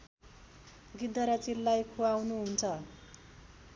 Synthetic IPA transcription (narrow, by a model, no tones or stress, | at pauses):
ɡitd̪ʱːʌɾat͡silːajkʰuawnuɦunt͡sʰʌ